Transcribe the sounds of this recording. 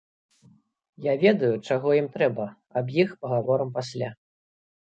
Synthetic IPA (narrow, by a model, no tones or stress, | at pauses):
javʲɛd̪ɐjut͡ʂaɣɔjimt̪ɾɛbɐ | ɐbjixpɐɣavɔɾɐmpasʲlʲa